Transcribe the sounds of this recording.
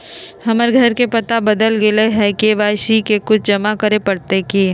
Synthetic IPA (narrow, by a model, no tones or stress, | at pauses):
ɦɐməɾɡʱɐɾkepɐt̪abəd̪əlɡɪleɦɛkeʋaːʃikekʊt͡ʃʰd͡ʒɐmakəɾepɐɽt̪ekiː